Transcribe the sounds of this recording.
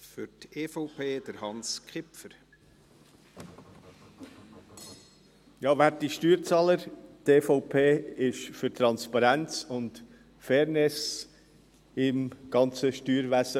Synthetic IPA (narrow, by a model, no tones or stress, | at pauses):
fʏteːfɔʊpʰeːd̥̪əɾhɑnskχɪpfəɾ | jɑːvætiʃtyːɾt͡sɑːləɾteːfɔʊpʰeːɪʃfʏɾt̪ɾɑnspɑɾænt͡sʊnt | fɛːɾnɪs | ɪmɡ̥ɑnt͡səʃtyːɾvæsə